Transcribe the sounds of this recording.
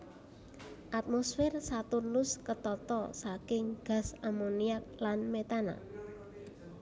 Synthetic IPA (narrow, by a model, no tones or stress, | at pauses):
ʔat̪̚mosfɪrsat̪ulʊskət̪ɔt̪ɔsakɪŋɡ̥ä̤samoniak̚lanmet̪ana̰